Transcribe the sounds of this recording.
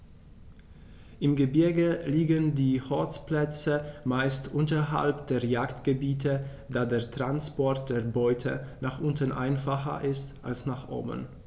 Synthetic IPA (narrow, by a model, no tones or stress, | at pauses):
ʔɪmɡəbɪɐɡəliːɡəndiːhɔlt͡splɛt͡səmaɪstʔʊntɐɦa̰lpd̥eːɐjaːktɡ̥əbiːtʰə | d̥aːdeːɐtʁ̥anspɔɐt̚d̥eːɐbɔʏtʰə̰naːχʔʊntən̩ʔa̰ɪnfaχɐ̰ʔɪstʔa̰lsnaːχʔo̰ːbə̰n